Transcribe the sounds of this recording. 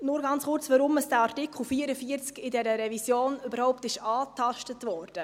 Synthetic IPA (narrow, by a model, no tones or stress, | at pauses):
nʊɾɡɑnt͡sχʊɾt͡sʋɑɾʊməsd̥ɛɑɾtɪkχl̩fiːəɾəfiəɾt͡skɪdɛɾəɾɛvisjoːnøbəɾhɔʊp̚tɪʃɑːtʰɑʃtətvɔːɾd̥ə